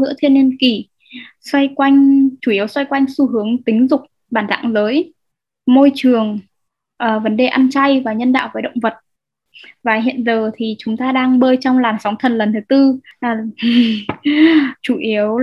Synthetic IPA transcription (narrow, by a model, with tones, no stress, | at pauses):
ɨ̰˧˥ət̪ʰi˧ənːi˧nki˧˩ | swa˧jkwa˧jŋ̟t͡ɕu˧˩ʔi˨˦əwswa˧jkwa˧jŋ̟su˧ɦɨ˨˦əŋt̪ï˨˦ŋ̟zʊ˨˩k͡p̚ | ɓaː˧˩nza̰ː˧˨ŋləː˨˦j | mo˧jt͡ɕɨ˨˩əŋ | ʔəː˨˩və˨˦nɗe˨˩ʔa˧nt͡ɕa˧jvaː˨˩ɲə˧nɗa̰ː˧˨wvəː˨˦jɗə̰˧˨wŋ͡mvə˨˩t̚ | vaː˨˩ɦḭ˧˨ənzəː˨˩t̪ʰi˨˩t͡ɕʊ˨˦ŋ͡mt̪aː˧ɗaː˧ŋɓəː˧jt͡ɕɔ˧wŋ͡mlaː˨˩msa˨˦wŋ͡mt̪ʰə˨˩nlə˨˩nt̪ʰɨ˨˦t̪ɨ˧laː˨˩ | t͡ɕu˧˩ʔi˨˦əw